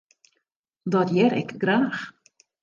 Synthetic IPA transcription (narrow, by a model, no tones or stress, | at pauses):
dɔtjɛɾɛ̰kɡraːx